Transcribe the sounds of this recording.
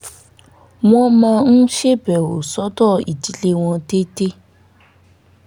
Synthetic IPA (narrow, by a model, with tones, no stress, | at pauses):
w̃ɔ̃˦mãː˧n̩˦ʃe˦bɛ˨wo˨sɔ˦dɔ˦˨ḭ˨ti˨˦le˧w̃ɔ̃˧te˦te˦